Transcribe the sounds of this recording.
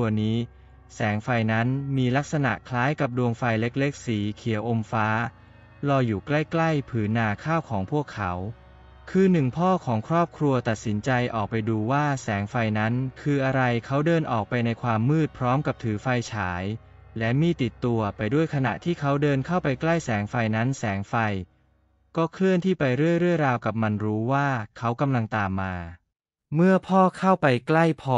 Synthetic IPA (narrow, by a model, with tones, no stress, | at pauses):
niː˦˥ | sɛː˩˦ŋfa˧jna˦˥nmiː˧la˦˥k̚sa˧na̰˨˩ʔkʰlaː˦˥jka˨˩p̚du˧əŋfa˧jle˦˥k̚le˦˥k̚siː˩˦kʰi˨˩˦əwʔo˧mfaː˦˥ | lɔː˧juː˨˩kla˥˩jkla˥˩jpʰɯː˩˦nːaː˧kʰaː˥˩wkʰɔː˩˦ŋpʰu˥˩əkʰːa˦˥w | kʰɯː˧nɯ˨˩ŋpʰɔː˥˩kʰɔː˩˦ŋkʰɾɔː˥˩p̚kʰɾu˧ɐt̪a˨˩t̪̚si˩˦nt͡ɕa˧jʔɔː˨˩k̚pa˧jduː˧waː˥˩sɛː˩˦ŋfa˧jna˦˥nkʰɯː˧ʔa˧ɾa˧jkʰa˦˥wdɤː˧nʔɔː˨˩k̚pa˧jna˧jkʰwaː˧mːɯː˥˩t̪̚pʰɾɔː˦˥mka˨˩p̚t̪ʰɯː˩˦fa˧jt͡ɕʰaː˩˦j | lɛ˦˥miː˧˥˩t̪i˨˩t̪ːu˧ɐpa˧jdu˥˩əjkʰa˧na̰˨˩ʔt̪ʰiː˥˩kʰa˦˥wdɤː˧nkʰa˥˩wpa˧jkla˥˩jsɛː˩˦ŋfa˧jna˦˥nsɛː˩˦ŋfa˧j | kɔː˥˩kʰlɯ˥˩ənt̪ʰiː˥˩pa˧jɾɯ˥˩əjɾɯ˥˩əɾaː˧wka˨˩p̚ma˧nɾuː˦˥waː˥˩kʰa˦˥wka˧mla˧ŋt̪aː˨˩mːaː˧ | mɯ˥˩ɐpʰɔː˥˩kʰa˥˩wpa˧jkla˥˩jpʰɔ˧˩